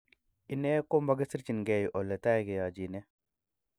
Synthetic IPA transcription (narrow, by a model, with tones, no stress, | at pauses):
i˨nɛ˦ko˦mba˦ɡe˦si˦ɾt͡ʃi˨nɡɛ˨jʔɔ˨lːɛ˨ta˦˨kɛ˨ja˨d͡ʒi˨nɛ˦